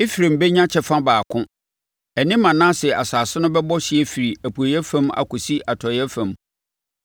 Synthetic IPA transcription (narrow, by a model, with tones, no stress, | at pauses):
e˦fi˨ɾẽ˨m̩˨be˦ɲã˦t͡ɕʰɛ˨fã˦baː˨kʰʊ̃˦ | ɛ˨nɪ̃˦mːã˨nãː˦sɛ˨a˨saː˨sɪ˦nʊ̃˦bɛ˦bɔ˦ɕɪ˨ɛ˦fi˨ɾi˨æ˨pʰu˨a˨jɛ˦fã˦ma̰˨kʊ˨si˦ʔa˨tʰɔ˨jɛ˦fã˨m